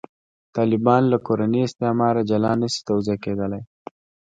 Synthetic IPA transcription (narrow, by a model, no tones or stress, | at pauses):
t̪ɑlɪbɑnlakoɾaniɪst̪emɑɾad͡ʒalɑnasi̥t̪awziaked̪əlaj